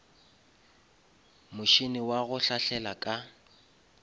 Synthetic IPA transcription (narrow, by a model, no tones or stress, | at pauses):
mʊʃinɪwaɣʊɬaɬɛlakʼa